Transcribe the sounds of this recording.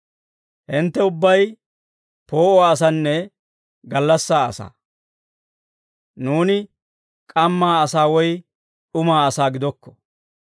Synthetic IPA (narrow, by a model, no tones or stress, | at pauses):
hɪnt̪ːɛʊbːɐj | po̞ːʔɔaːs̬ɐnːɛ | ɡɐlːɐsːaːɐsa̰ː | nuːnɪ | kʼɐmːaːɐsaːwɔj | ᶑʊmaːɐsaːɡɪd̪ɔkːɔ̥